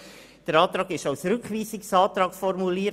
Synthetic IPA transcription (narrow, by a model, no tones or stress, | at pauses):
d̥əɾɑːt̪ɾɑːɡɪʃaʊsɾʏkχʋiːsɪksɑːtɾɑːkfɔrmuliːɾ